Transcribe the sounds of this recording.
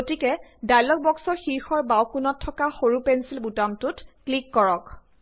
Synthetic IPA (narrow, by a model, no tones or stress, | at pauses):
ɡotikɛdajlɔk̚bɔksɔxiɹxɔɹbawkunɔtʰːɔkaxoɹupɛnsilbutamtutklikːɔɹɔk